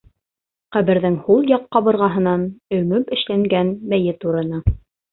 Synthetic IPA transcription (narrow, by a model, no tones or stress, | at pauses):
qæβɘ̆ɾðɘŋhulˠjɑqːɑβɤ̆ɾʁɑɦɤ̆nɑnɵ̆mɵpɘ̆ʃlæŋɡænbæjɘt̪uɾɤ̆nɤ